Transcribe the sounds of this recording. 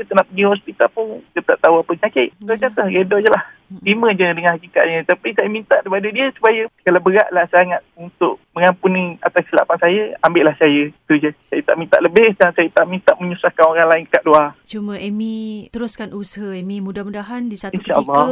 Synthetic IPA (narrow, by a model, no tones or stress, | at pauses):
kit̪ənaʔpəɡiɦɔspit̪alpʊnk̪ət̪aʔt̪auapəɲakɪʔsod͡ʒat̪əɡədɔd͡ʒəlah̪imə̃d͡ʒədəŋanhakika̰ʔ̪̚ɲət̪apisajəmint̪aʔɾipadədiəsu̥pajəkalawbəɾaʔlahsaŋat̪̚unt̪ʊʔ̚məŋampuniat̪assila̰pansajəambɪʔlahsajət̪ud͡ʒəsajat̪a̰ʔmint̪aʔləbɪhdansajət̪aʔmint̪aʔməɲusahkanoɾaŋlaɪŋkaʔdluat͡ʃumə̃ʔemĩt̪əɾʊskanusaɦəemimudahmudaɦandisatinʃaʔlːa